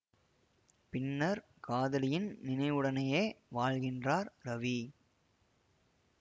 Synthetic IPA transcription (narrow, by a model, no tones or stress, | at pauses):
pɪnːɐɾ | kaːðɐlɪjɪnnɪnɐɪʋɯɽɐnɐjeːʋaːɻɣɪndraːɾɾɐʋi